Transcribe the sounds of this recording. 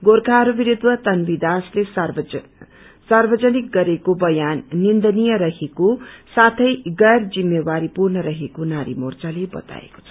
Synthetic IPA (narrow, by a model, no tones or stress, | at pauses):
ɡorkʰaɾubiɾid̪wʌt̪ʌnbid̪asles | sarbʌd͡zʌnik̚ɡʌɾekobʌjanːind̪ʌnijʌɾʌɦekosat̪ʰʌjɡʌjrd͡zimːewaɾipurnʌɾʌɦekonaɾḭmort͡salebʌ̰t̪a̰ḛko̥t͡sʰʌ̥